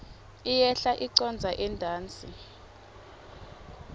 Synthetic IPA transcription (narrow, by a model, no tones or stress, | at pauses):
ijɛɬaʔiǀɔnd͡zʱaʔɛndʱaːnt͡sʼi